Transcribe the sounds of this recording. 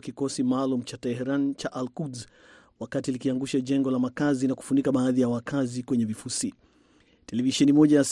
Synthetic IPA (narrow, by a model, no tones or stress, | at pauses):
kikɔsimaːlum̩t͡ʃatɛɦɛɾant͡ʃaʔalkudz | wakatilikiaŋɡuʃaʄɛŋɡɔlamakazinaku̥funikaɓaːðijawakazikwɛɲɛvifusi | tɛlɛviʃɛnimɔʄajas